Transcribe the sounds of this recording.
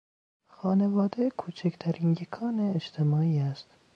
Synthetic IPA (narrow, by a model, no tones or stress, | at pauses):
xɒːne̞vɒːd̪ekʰuːt͡ʃʰæct̪ʰæɾiːnjekʰɒːneːʃt̪ʰemɒːiːæst̪